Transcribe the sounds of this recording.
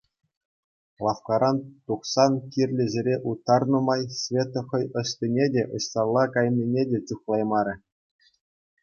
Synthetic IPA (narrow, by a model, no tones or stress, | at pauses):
lˠɑfkɑɾɑnt̪uχsɑnkʲirʲlʲɘ̆zʲĕɾʲeʔut̪ːɑrnɤ̆mɑjsʲvʲet̪ŏχɤ̆jɤ̆ɕtʲinʲedʲeʔɤ̆ɕsɑlˠːɑkɑjnʲːinʲedʲet͡ɕuχlˠɑjmɑɾʲɘ̆